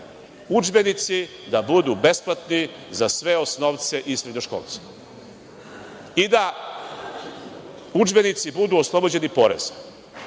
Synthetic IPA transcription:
ud͡ʒbe̞nit̪si | d̪abud̪ube̞splˠat̪ni | zasʋe̞osnoʋt̪se̞ʔisɾedɲoʃko̰lˠt̪se̥ | id̪a | ud͡ʒbe̞nit̪sibud̪uoslˠo̞bod͡ʑe̞nipo̞ɾḛz̥

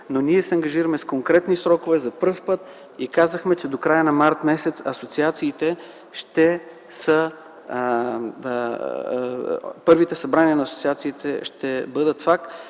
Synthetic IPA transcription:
nonʲiɛsɛɐŋɡɐʒiɾəmɛskoŋkɾɛt̪nisɾɔkovɛzɐpəɾfpɤt̪ | ikazəxmɛt͡ʃɛd̪okɾajənɐmaɾt̪mɛsɛt̪sɐsot̪siat̪siːt̪ɛ | ʃt̪ɛ | sə | pɤɾvit̪ɛsɐbɾaniənɐːso̥t̪siat̪siːt̪ʰɛ̰ʃt̪ɛbɤd̪ət̪fak̚t̪

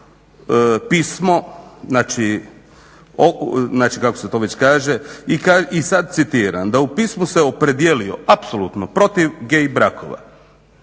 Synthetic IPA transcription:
piːsmo̞znaːt͡ʃi | onaːt͡ʃikakoset̪o̞ːʋe̞t͡ɕkaːʒe̞ikaisad̪̚sit̪iɾa̰nd̪aupiːsmuseopɾe̞d̪ijelio̞̰apsolut̪nopɾo̞t̪iʋɡejbɾakʰo̰ʋa̰

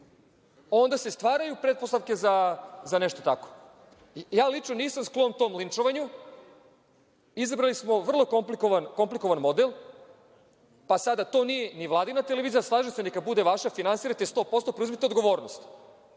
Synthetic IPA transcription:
o̞nd̪ase̞st̪ʋaːɾajupɾet̪̚post̪aʋke̞zazaneʃt̪o̞t̪ako̥ | jaːlit͡ʂnoniːsamsklˠomt̪o̞ːmlint͡ʂoʋaɲu | izabɾalismo̞ʋr̩lˠo̞komplikoʋanko̞mpliko̞ʋanmo̞d̪elˠ | pasad̪at̪o̞ːnije̞niʋlˠaːd̪inat̪ele̞ʋiːzijaslˠaːʒesenekabud̪eʋaʃafinansiɾat̪est̪o̞ːpo̞st̪opɾeuzmet̪eod̪ɡo̞ʋo̞ːɾnost̪

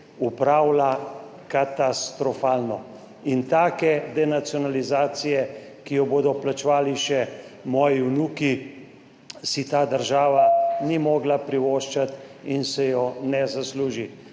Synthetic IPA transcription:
upɾaːwla | kat̪ast̪ɾɔfaːlnɔ | int̪aːkɛd̪ɛnat̪siɔnalizaːt̪sijɛkijɔboːd̪ɔplat͡ʃʋaːliʃɛmɔːjiunuːki | sit̪aːd̪əɾʒaːʋanimɔːɡlapɾiʋoːʃt͡ʃat̪insɛjɔnɛzasluːʒi

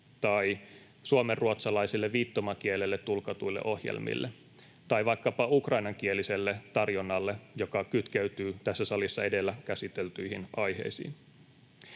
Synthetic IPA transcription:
t̪ɑi | suomerːuot̪sɑlɑisilːeʋʋiːt̪ːomɑkielelːet̪ːulkɑt̪uilːḛʔo̞hjḛlmḭlːʔe | t̪ɑjʋɑjkːɑpɑukrɑinɑŋk̟ielise̞lːe̞t̪ɑrjonːɑlːejo̞kɑkyt̪keyt̪yːt̪æsːæsɑlisːɑe̞de̞lːækæsit̪elt̪yihinɑjɦe̞̰jsḭːn

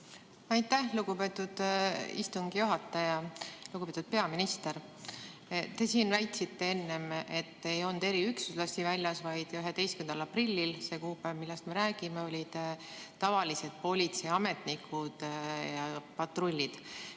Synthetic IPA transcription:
ɑjt̪ːˑæhluɡ̥ube̞ːt̪ːˑud̪̥ḭst̪uŋɡ̥ijuɦɑt̪ːˑɑjɑluɡ̥ubet̪ud̪̥̚pe̞ɑminist̪eɾ | t̪e̞siːnvæjt̪ˑsit̪ːe̞e̞nːe̞me̞t̪ːe̞jo̞nd̪̥e̞ɾiyksuslɑsʲt̪ːivælʲjɑsvɑjd̪̥yɦe̞t̪e̞jskend̪̥ɑlɑprilʲːilse̞kuːpemilːɛst̪me̞ɾæːɡ̥imeo̞lʲid̪̥t̪ɑvɑlise̞d̪̥̚po̞lʲit̪se̞jɑme̞t̪ˑnikʰːud̪̥jɑpɑt̪ro̞lʲːid̪̥

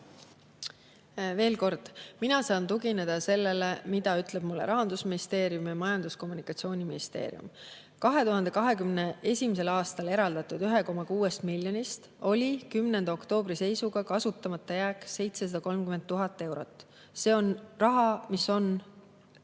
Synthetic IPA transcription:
ve̞ːlko̞rd̪̥minɑsɑːnt̪uɡine̞d̪̥ɑse̞lːe̞lemid̪ɑyt̪ˑle̞b̥mulːḛɾɑɦɑnd̪̥usminist̪e̞ːɾjumjɑmɑjɑnd̪̥usko̞mːunikɑt̪sio̞ːnʲiminist̪e̞̰ːɾḭjṵm | kɑɦe̞t̪uɦɑnd̪ekɑɦe̞kymneʔe̞sʲimis̬e̞lɑːst̪ɑle̞ɾɑld̪̥ɑt̪ːˑud̪̥yɦe̞ko̞mɑkuːe̞st̪miljonist̪ | o̞lʲikymnend̪ɑo̞kt̪o̞ːbɾise̞jsuɡɑkɑsut̪ːˑɑmɑt̪ːˑɑjæːkse̞jt̪sesɑd̥̪ɑko̞lmkyment̪ːuɦɑt̪ˑːe̞wɾo̞t̪ˑː | se̞ːo̞nrɑɦɑmiso̞n

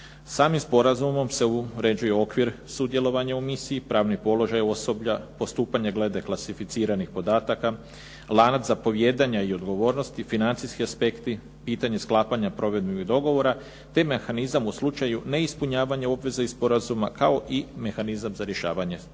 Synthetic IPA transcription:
saːmimspo̞ɾazumo̞mse̞uɾe̞d͡ʑuje̞o̞kʋiɾsud̪jelo̞ʋaɲaumisiːpɾaːʋnipo̞lo̞ʒajo̞so̞bʎapo̞st̪uːpaɲaɡle̞d̪e̞klˠasifit̪siːɾanixpo̞d̪aːt̪aka | lˠaːnat̪zapo̞ʋje̞d̪aɲaio̞d̪ɡo̞ʋo̞ːɾno̞st̪ifinant̪sijskiaspe̞kt̪i | piːt̪aɲe̞sklˠaːpaɲapɾo̞ʋe̞d̪miɡiɣd̪o̞ɡo̞ʋo̞ɾa | t̪e̞me̞xanizamuslˠut͡ʃajune̞ispuɲaːʋaɲao̞bʋe̞zaispo̞ɾazuma̰kao̞ʔime̞xanizamzaɾje̞ʃa̰ːʋaɲe̞

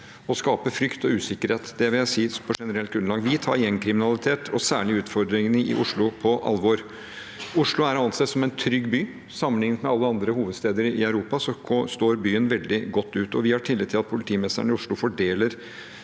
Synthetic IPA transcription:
ɔskɑːpəfɾʏkt̪ɔʉːsɪkːəɾheːt̪d̪ɛʋɪljæɪsiːpʰɔʂɛnəɾɛlt̪ɡɾʉnlɑːŋʋɪt̪ʰɑ̰ːɾjɛnkʰɾɪmɪnɑlɪt̪ʰeːt̪ʰɔsæːɭɪʉːt̪fɔɾd̪ɾɪŋnəʔɪ̰ʔʊʂɭʊpʰɔʔɑ̰lːʋoːɾ | ʊʂlʊæɾɑnsɛt̪sɔmɛnt̪ʰɾʏɡːbyː | sɑmːənlɪŋːnət̪mɛɑlːəɑnd̪ɾəhuːʋəd̪st̪eːd̪əɾɪœʉɾuːpɑsɔɔst̪oːɾbyːənʋɛld̪ɪɡɔt̪ːʉːt̪ɔʋɪhɑʈʰɪlːɛt̪ʰɪlɑt̪̚pʰʊlɪt̪ʰiːmɛst̪ə̰ɳɪʊʂɭʊfɔɖeːləɾ

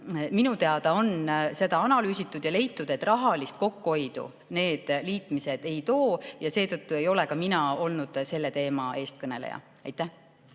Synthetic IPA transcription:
minut̪e̞ɑd̪ɑo̞nse̞d̪ɑɑnɑlyːsit̪ːˑud̪̥jɑle̞jt̪ːˑud̪̥e̞t̪ːˑrɑɦɑlist̪̚ko̞kːuo̞jd̪̥ṵ | ne̞ːd̪̥liːt̪mised̪e̞jt̪o̞ːjɑse̞ːt̪ɤt̪ːue̞jo̞le̞kɑminɑo̞lnud̪̥se̞lːe̞t̪e̞ːmɑe̞ːst̪̚kɤne̞̰lḛjɑ̰ | ɑjt̪ːˑæ

